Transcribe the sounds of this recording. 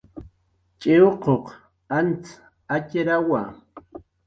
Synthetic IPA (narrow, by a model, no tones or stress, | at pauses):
t͡ʃʼɪoqoq | ant͡s | at͡ʃɾawa